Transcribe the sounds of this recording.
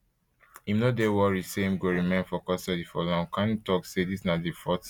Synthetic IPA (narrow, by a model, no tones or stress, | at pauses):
imnodewɔɹiseĩmɡoɹimẽnfɔkɔstɔtifɔlɔ̃ŋkãnitɔksedisnadifɔt